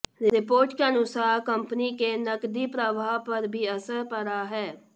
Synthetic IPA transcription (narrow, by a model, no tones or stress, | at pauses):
ɾɪpoːɾʈkeənʊsaːɾkəmpənikenəkd̪ipɾəbʱaːpəɾbʱiːəsəɾpəɾaːɦɛː